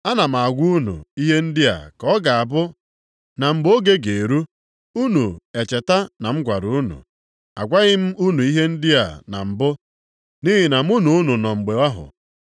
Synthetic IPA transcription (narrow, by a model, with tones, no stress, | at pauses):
a˦na˨m̩˨a˨ɡʷu˦u˦nṵ˨i˦ɦe˦n̩˦dɪ˦a̰˨kɔ˦ɡa˨a˨bʊ˦ | na˨m̩˨ɡ͡bo˦ɡe˦ɡe˨e˨ɾu˦ | u˦nu˨e˨t͡ʃe˨ta˦na˨m̩˦ɡʷa˨ɾu˨u˦nṵ˨ | a˨ɡʷa˦ɣɪ˦m̩˦u˦nu˨i˦ɦe˦n̩˦dɪ˦a̰˨na̰˨m̩˨bʊ˦ | ni˦ɦi˨na˨m̩˦u˦nu˨u˦nu˨nɔ˨ŋ͡m̩˨ɡ͡be˨wa˦ɦʊ̰˨